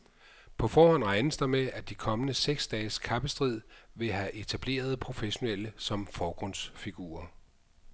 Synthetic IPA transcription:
pʰɒ̽fɒːhɒ̽n̰ʁɑ̈ɪnəsd̥ɐmeʔæd̥ikʰɒ̽mənəseɡ̥sd̥ɛːskʰɑ̈b̥əsd̥ʁið̰ˠʋe̝ɦæʔe̝t͡sʰæb̥le̝̰ːɐð̞̩ˠpʰʁo̝feɕo̝neləsɒ̽mfɒːɡ̥ʁɔ̽n̰sfiɡ̥ṵːɐ

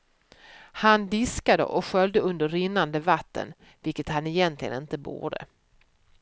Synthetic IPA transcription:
hand̪ɪskad̪ə̰ʔɔkɧœld̪əɵnd̪əɾɾɪnːand̪əvat̪ːə̰n | vɪlkət̪hanɛjɛnt̪ʰlɪɡə̰nɪnt̪əbṵːɖə̰

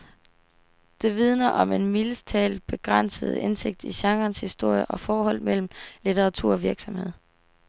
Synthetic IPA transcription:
d̥e̝ʋið̞ˠnɐʔɒ̽me̝nmiləst͡sʰɛ̰ːlb̥e̝ɡ̥ʁan̰səð̞̩ˠe̝nse̝ɡ̥̚d̥iɕɑ̈ŋɐːnshisd̥o̝ɐ̰jəʔɒ̽fɒːhɒ̽l̰mel̰m̩lit͡sʰeʁɑ̈t͡sʰṵɐ̰ɒ̽ʋiɐɡ̥sɒ̽mhe̝ð̰ˠ

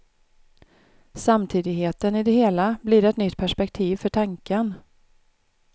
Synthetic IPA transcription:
samt̪ʰiːd̪ɪɡheːt̪ənɪd̪ɛheːlabliːɖɛt̪nʏt̪ːpʰæʂpɛkt̪ʰiːvfœʈʰaŋkən

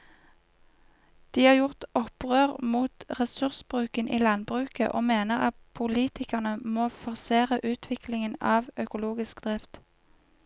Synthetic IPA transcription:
d̪̥iːhɑːʁjʊʁt̪ɔpʁøːʁmuːt̪ʁɛsʉʁsbʁʉːkənʔḭːlɑnbʁʉːkə̰ʔoːmeːnəʁɑt̪̚pʰʊliːt̪ʰɪkəʁnəmoːfɔʁseːʁəʔʉːt̪ʰʋɪklɪŋənɑ̰ːʋœkʊluːɡɪsk̚d̪̥ʁɛft̪

